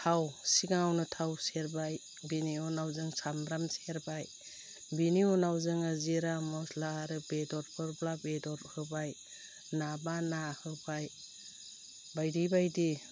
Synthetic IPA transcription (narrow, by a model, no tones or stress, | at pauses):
tʰawsiɡaŋawnɯtʰawseɾbaj | biniɔnawzɯŋsamɾamseɾbaj | biniɔnawzɯŋaziɾamɔslaɾɯbedɔɾpʰɯɾblabedɔɾhɯbaj | nabanahɯbaj | bajdibajdi